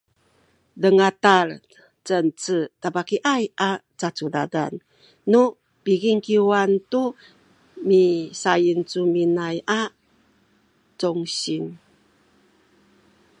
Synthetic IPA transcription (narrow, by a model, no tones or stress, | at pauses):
dəŋatar | t͡sənt͡sətabakiʔajʔat͡sat͡suda̰da̰nː | u | piɡiŋkiwantu | misajint͡suminajʔa | t͡sɔŋɕin